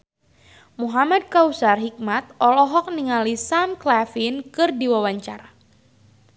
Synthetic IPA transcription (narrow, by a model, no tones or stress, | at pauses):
muɦamad̚kausarɦik̚mat̪̚ɔlɔɦɔk̚niŋalisamklafinkɨrdiwawaɲt͡ʃaɾa